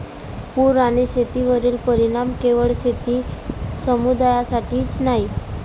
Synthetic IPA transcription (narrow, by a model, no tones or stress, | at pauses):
puɾaɽ̃iset̪iʋəɾiːlpəɾiɽ̃amkeʋəɭset̪iːsəmud̪ajasaʈʰiːt͡snaɦi